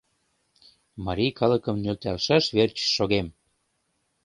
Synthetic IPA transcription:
mɑɾʲijkɑləkə̆mnølt̪ɑlʃɑʃβert͡ɕːoɣem

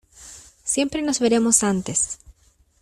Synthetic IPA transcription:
sje̞mpɾe̞nozβeɾe̞mosant̪es

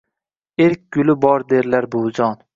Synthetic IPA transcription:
eɾkʲɡ̥ʲʊlɪbɒɾd̪eɾlaɾbold͡ʒɒn

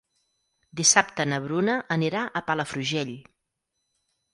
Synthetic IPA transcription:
d̪isap̚t̪ənəβɾunəʔːniɾaʔəpaləfɾuʒeʎ

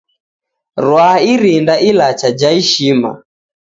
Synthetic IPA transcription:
ɾwaaiɾindaʔilat͡ʃad͡ʒaiʃima̰

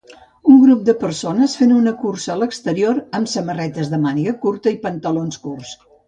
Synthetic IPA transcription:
uŋɡɾup̚d̪əpəɾsonəsfenunəkursəːləkst̪əɾioɾəmsəmərɛt̪əzðəmaniɣəkuɾt̪əipənt̪əlonskurs

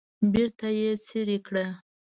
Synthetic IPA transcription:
biɾt̪ajet͡seɾikɽa

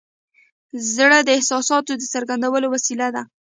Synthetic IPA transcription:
zɽəd̪əɪhsɑsɑt̪od̪əsəɾɡand̪awəlowasilad̪a

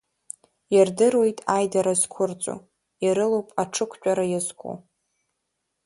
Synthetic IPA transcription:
jardɨrwojtʼajdaɾaz̥kʷʰʊrt͡sʷʼo̰ | iɾɨlowpʼaʈ͡ʂʰɨkʷʰt͡ʃʷʼaɾajazkʷʰʼo̰

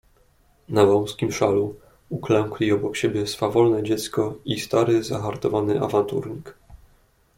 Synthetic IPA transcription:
navɔw̃skʲimʂalu | uklɛŋklʲiɔbɔkɕebʲjɛsfavɔlnɛd͡ʑɛt̪skɔist̪aɾɘzaxaɾt̪ɔvanɘʔa̰vant̪ṵɾɲik

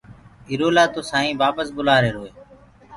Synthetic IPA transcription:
iːɾoːlaːt̪oːsaːɦĩːʋaːpəsbʊlaːɾeːɾoːeː

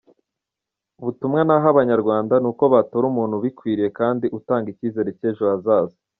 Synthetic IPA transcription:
βutumŋenaɦaβaɲaɾɡwaːndanuːko̞βatoɾumuːn̥huβikwiːɾije̞kaːndiʔutaːŋɡiciːze̞ɾeceːʒoazaːza

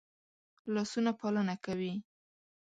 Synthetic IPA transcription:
lɑsunapalənakawi

